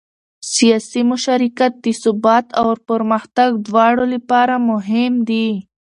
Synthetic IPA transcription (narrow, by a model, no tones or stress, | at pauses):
sijaːsimʊʃaɾikat̪̚d̪isubɑːt̪awɾpəɾməxt̪aɡd̪wɑːɽolipaːɾamʊɦɪmd̪i